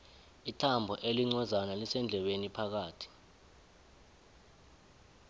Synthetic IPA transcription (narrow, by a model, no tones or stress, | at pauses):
itʰambʱɔʔeliŋ͡ǀɔzanalisɛnd͡ɮʱɛɓenipʰak̬aːtʰi̥